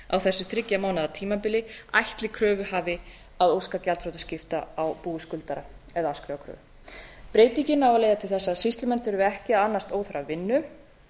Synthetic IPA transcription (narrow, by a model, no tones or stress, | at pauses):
a̰wθɛsːʏθɾɪcːamawnaðat̪ʰiːmapɪlːɪajht̪lɪkʰɾœːvʏɦaːvɪ | aðowskacalt̪fɾowt̪ascɪft̪a̰awpuːɪskʏlt̪aɾaɛðaaskɾœvakʰɾœ̰ːvʏ | pɾeːjt̪iɲcɪnːawalejðat̪ʰɪlθɛsːasist̪lʏmɛnθʏɾʏvʏɛhcɪaðanːast̪oːwθʏɾavɪnːʏ